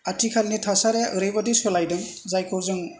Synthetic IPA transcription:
atʰikʰalnitʰasaɾejaʔɯɾebadesɔlajdɯŋ | zajkʰɔwzɯŋ

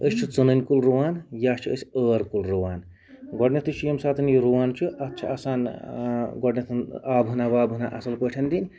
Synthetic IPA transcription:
əst͡ʃʰut͡sunənʲkulɾuwaːnjaːst͡ʃʰiəsʲəːɾkulɾuwaːn | ɡɔɖnʲɐt̪ʰɨʃijɐmsaːt̪ʰɨnjuɾuʋaːnt͡ʃʰuɐtːt͡ʃʰɐɐsaːn | ɡɔɖnʲɐt̪ʰnaːbɦunabaːbɦuna̰ʔɐ̰sɐlpəʈʰɐnd̪inʲ

